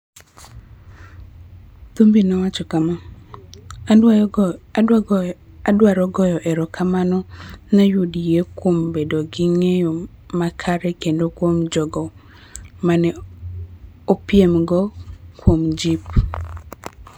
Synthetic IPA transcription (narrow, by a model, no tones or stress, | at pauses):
t̪umbinawat͡ʃɔkama | adwaɾɔɡɔjɔʔeɾɔkamanɔnajudijekwombedoɡiŋejɔ | makʰaɾɛkendokwomd͡ʒɔɡɔ | manɛ | opjemɡɔkwomd͡ʒip